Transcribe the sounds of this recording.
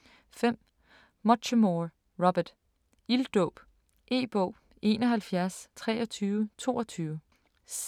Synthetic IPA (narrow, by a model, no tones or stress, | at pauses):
fem̰ | mɒɕəmo | ʁɒb̥ɐd̥ | ild̥ɔb̥ | ʔe̝̰ːb̥ɔʊ̰ | e̝ːnɒɦælfjæɐst͡sʰʁɛ̰ːɒt͡sʰyːʊət͡sʰo̝̰ːɒt͡sʰyːʊə | s